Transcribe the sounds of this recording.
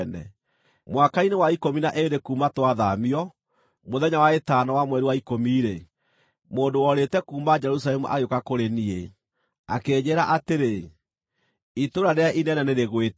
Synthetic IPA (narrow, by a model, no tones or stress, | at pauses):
nɛ̰ | mwakainewaikominaʔedekumatwaðamiɔ | moðɛɲawaetanɔwamwɛɾiwaikomiːɾe | moːndowɔɾetɛkuːmad͡ʒɛɾus̬alɛmuʔa̰ɣjokakoɾenie | akeɲeɾaʔateɾe | itoɾaɾeaʔinɛnɛneɾeɣwet